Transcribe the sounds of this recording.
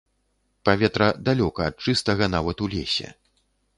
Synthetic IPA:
pavʲɛt̪ɾɐd̪alʲɔkɐːt̪̚t͡ʂɨst̪ɐɣɐnavɐt̪ulʲesʲɛ̰

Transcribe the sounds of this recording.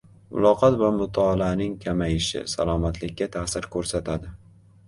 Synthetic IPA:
mʊ̰lˠɒqʰɒt̪vamʊt̪ʰaːlanɪŋkʲʰamajɪʃɪ̰sa̰lˠɒmat̪ʰlɪkʲːat̪ʰasɪɾkʰɵɾsat̪ʰad̪ɪ

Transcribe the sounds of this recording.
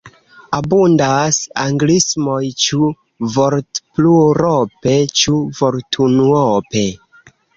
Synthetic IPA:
abundasaŋɡlismojt͡ʃu | voɾtpluɾope̞t͡ʃuvoɾtʰunuope̞

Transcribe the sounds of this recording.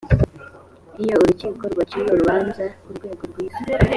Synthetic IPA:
ijouɾuceːkoɾɡwat͡ʃiɾoɾuβaːnzauɾɡweːɡoɾɡweː

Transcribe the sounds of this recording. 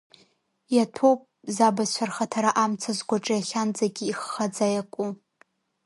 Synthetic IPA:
jatʰo̞wpʼzabat͡ɕʷʰarχatʰaɾaʔamt͡sʰazɡʷaʈ͡ʂʼajaχʲand͡zaɡʲiːχːad͡zajakʷʼu

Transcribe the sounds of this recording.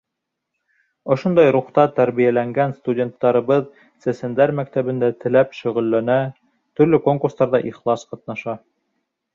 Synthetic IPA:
ŏʃond̪ɑjɾuχt̪ɑt̪æɾβijælæŋɡænst̪udʲe̞nt̪ːɑɾɤ̆βɤð | sæsænd̪æɾmækt̪æβɘ̆nd̪æt̪ɘ̆læpʃɵ̆ʁɵ̆lːænæ | t̪ɵ̆ɾlɵko̞ŋkuɾst̪ɑɾðɑʔiχlˠɑsqɑt̪̚nɑʃɑ

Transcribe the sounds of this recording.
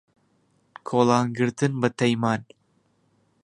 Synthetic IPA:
kʰoːlaːnɡɨɾt̪ʰɨnbɐt̪ʰɐjmaːn

